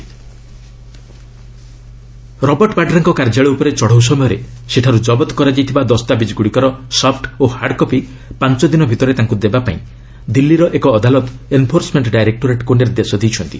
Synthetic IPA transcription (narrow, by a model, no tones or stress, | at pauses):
ɾɔbɔɾʈɔpaɖɾaŋkɔkaɾd͡ʒaɭɔupɔɾet͡ʃɔɽ̤ɔws̬ɔmɔjɔɾeseʈʰaɾud͡ʒɔbɔt̪ɔ̥kɔɾad͡ʒajt̪ʰibad̪ɔst̪abid͡ʒɡuɽikɔɾɔsɔpʰʈohaɾɖkɔpi | pant͡ʃɔd̪inɔbʱit̪ɔɾet̪aŋkud̪ebapaĩ | d̪ilːiɾɔʔekɔːd̪alɔt̪enpʰoɾsmeɳʈɖajɾek̚ʈoɾeʈkoɳɖeɾed̪esɔd̪ijt͡ʃʰɔnt̪i̥